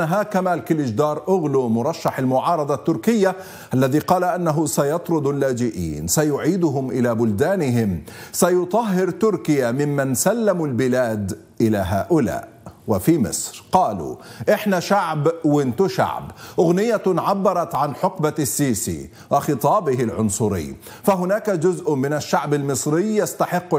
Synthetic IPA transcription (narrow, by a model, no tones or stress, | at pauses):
aɦaːkamaːlkɪlɪd͡ʒd̪ɑːɾˤʔʊɣlumʊɾˤɑʃːaħalmʊʕɑːɾˤɑd̪ˤɑt̪ːʊɾkɪjːa | ʔalːaðiːqɑːlaʔanːaɦʊsajɑt̪ˤɾʊd̪ˤalːaːd͡ʒɪʔḭːnsajʊʕiːd̪ʊɦʊmʔɪlabʊld̪aːnɪɦɪmsajʊt̪ˤɑɦːɪɾt̪ʊɾkɪjamɪmːansalːamʊlbɪlaːd̪ | ʔɪlaɦaːʔʊla̰ːʔ | wafiːmɪ̰sˤɾqɑːlṵːʔɪħnaʃaʕbwɪnt̪ʊʃa̰ʕbʔʊɣnɪjːaʕabːɑɾˤɑt̪ʕanħʊqbasːiːsḭː | wɑxɨt̪ˤɑːbɪɦɪlʕʊnsˤʊɾɪ̰jː | faɦʊnaːkad͡ʒʊzʔʊmɪnaʃːaʕbalmɨsˤɾɪjjast̪aħɪqː